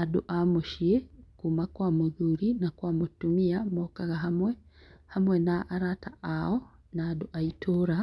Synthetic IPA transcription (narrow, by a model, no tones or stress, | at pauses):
adṵʔamuʃiekumakwaːmuðuɾinakwaːmutumiamokaɣaɦamwehamwenaʔːɾatʰaao | naːduʔaitʰuɾa